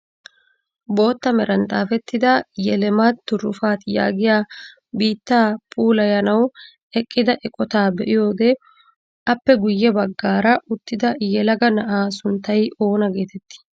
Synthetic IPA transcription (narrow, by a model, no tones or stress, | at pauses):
bo̞ːt̪ːɐmɛɾɐnt̪ʼaːfɛt̪ːɪd̪ɐjɛlɛmat̪ːʊɾʊfaːt̪ja̰ːɡɪjaː | biːt̪ːaːpʼuːlɐjɐnɐw | ɛkʼːɪd̪ɐʔɛkʼɔt̪aːbɛʔɪjo̞ːɡ̪ɛ | ɐpːɛɡʊjːɛbɐɡːaːɾɐʔʊt̪ːɪd̪ɐjɛlɐɡɐnɐʔaːsʊnt̪ːɐjʔo̞ːnɐɡe̞ːt̪ɛt̪ːɪ̥